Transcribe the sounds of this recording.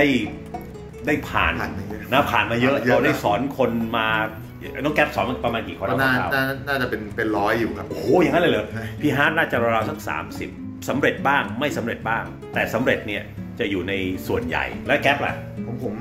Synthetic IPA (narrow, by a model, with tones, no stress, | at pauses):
a˥˩j | da˥˩jpʰa̰ː˨˩n˨˧˥na˦˥˩pʰaː˨˩nmaː˧jɤ˦˥ʔɔ˧˩da˦˥˩jsɔː˩˦nkʰo˧nmaː˧ | nɔ˦˥ŋkɛ˦˥p̚sɔː˩˦nma˧pɾa˧maː˧nki˨˩kʰɔː˧n˧˥˦naː˥˩˧aː˥˩˨naː˥˩naː˥˩t͡ɕa˨˩pe˧npe˧nɾɔː˦˥jːuː˨˩kʰa˦˥ʔoː˦˩ja˨ŋa˦˥nləː˧˩lɤː˨˦pʰiː˧ɦaː˦˥t̪̚naː˥˩t͡ɕa˨˩ɾa˧ɾaː˧wsʰa˥˩k̚sa̰ː˩˦msi˨˩p̚ | sa˩˦mɾe˨˩t̪̚baː˥˩ŋma˥˩jsa˩˦mɾe˨˩t̪̚baː˥˩ŋ | t̪ɛː˨˩sa˨˩˦mɾe˨˩t̪̚ni˥˩ɐt͡ɕa˨˩juː˨˩na˧jsu˨˩ənja̰˨˩jlɛː˦˥kɛː˦˥p̚la̰˨˩ʔ | pʰo˩˦mpʰo˩˦m